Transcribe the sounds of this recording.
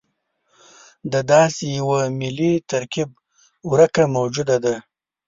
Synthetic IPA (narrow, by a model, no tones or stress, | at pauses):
d̪əd̪ɑːsejawamɪlit̪aɾkib̚ | uɾakamawd͡ʒud̪ad̪a